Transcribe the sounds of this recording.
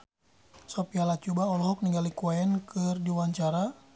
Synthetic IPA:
sɔpialat͡ʃubaɔlɔɦɔk̚niŋɡalikuaɛnkɨrdiwaɲt͡ʃaɾa

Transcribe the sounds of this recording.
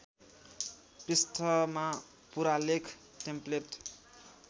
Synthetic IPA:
pist̪ʰʌma | puɾalekʰ | ʈemplet

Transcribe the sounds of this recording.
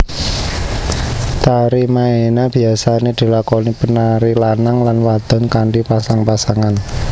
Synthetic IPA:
t̪aɾimaenab̥i̤asaned̪̥i̤lakonipənaɾilanaŋlanwad̪̥ɔ̤nkaɳɖipasaŋpasaŋan

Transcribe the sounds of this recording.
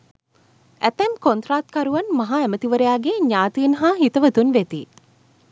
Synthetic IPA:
æt̪æmkont̪ɾaːt̪̚kaɾuʋanmaɦaæmət̪iʋəɾejaːɡeɲaːt̪iːnɦaːɦit̪əʋət̪unʋet̪ḭ

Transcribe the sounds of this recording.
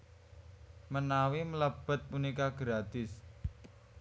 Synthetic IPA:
mənawimələb̥ə̤t̪̚punikaɡ̥ɾad̪ɪs

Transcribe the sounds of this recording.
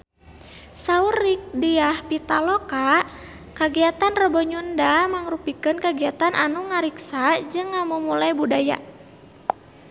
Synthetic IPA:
saurːik̚diahpit̪aloka | kaɡiat̪anrəbɔɲundamaŋɾupikənkaɡiat̪anʔanuŋaɾiksad͡ʒɨŋːamumulajbudaja̰

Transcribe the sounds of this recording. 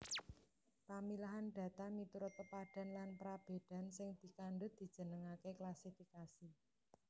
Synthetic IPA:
pamilaɦanɖ̥a̤t̪amit̪uɾʊt̪əpaɖ̥a̤nlanpɾab̥e̤d̥a̤nsɪŋd̪̥i̤kaɳɖʊd̪̥i̤̥d͡ʒ̥ə̤nəŋakeklasifikasi

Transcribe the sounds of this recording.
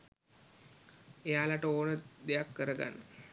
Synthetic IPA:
ejaːlaʈəoːnəd̪ejakːəɾəɡa̰nːə

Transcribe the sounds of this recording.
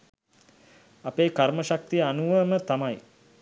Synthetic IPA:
apeːkarməʃak̚t̪ijəanuʋəmət̪amaj

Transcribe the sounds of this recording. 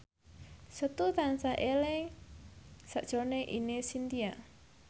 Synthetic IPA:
sət̪ut̪ansaʔeleŋ | saʔd̥ʒ̥oneʔinesint̪ia

